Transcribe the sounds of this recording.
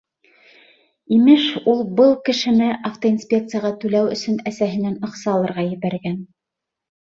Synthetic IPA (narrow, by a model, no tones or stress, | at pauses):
imɘʃulˠbɤlˠkɘ̆ʃɘ̆nɘʔɑft̪oinsʲpʲe̞k̚t̪sɨjaʁɑt̪ʉlæwɵ̰̆sɵnæsæɦɘ̆nænɤ̆χsɑlˠɤ̆ɾʁɑjɘ̆βæɾɡæn